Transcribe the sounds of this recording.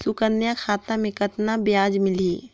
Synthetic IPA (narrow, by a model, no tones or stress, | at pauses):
sʊkənːjakʰaːt̪ãmẽkɐt̪nabjaːd͡ʒmɪliː